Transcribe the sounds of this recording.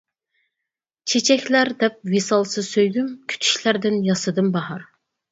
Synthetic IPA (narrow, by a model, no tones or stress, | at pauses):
t͡ʃʰet͡ʃʰɛkʲlæɾd̪ɛp̚wesɑlˠsɨzsøjɡʲymkʲʰy̥t̪ʰy̥ʃlæɾd̪ɪnjɑsɨd̪ɨnbɑhɑɾ